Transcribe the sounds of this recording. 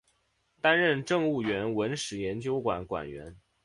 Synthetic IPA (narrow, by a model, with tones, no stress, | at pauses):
t̪a˥nɻə˥˧nʈ͡ʂɤ˥˧ŋu˥˩ɥɛ˧˥nwə˧˥nʂɻ̩˨˩jɛ˧˥nt͡ɕjo˥ʊkwa̰˨˩˦nkwa̰˨˩nɥɛ̰˧˥n